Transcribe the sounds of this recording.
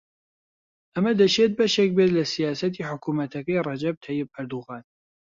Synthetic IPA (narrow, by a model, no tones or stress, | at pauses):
ʔɐmɐd̪ɐʃeːt̪̚bɐʃek̚beːt̪lɐsijaːsɐt̪ʰiːħʊkʰuːmɐt̪ʰɐkɐjrˤɑd͡ʒɐb̚t̪ʰɐjɪb̚ʔɐɾd̪uɣɑːn